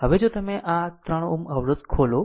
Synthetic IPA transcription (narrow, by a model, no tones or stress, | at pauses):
ɦəʋed͡ʒot̪əmẽʔat̪ɾəɽ̃uməʋɾəd̪kʰolo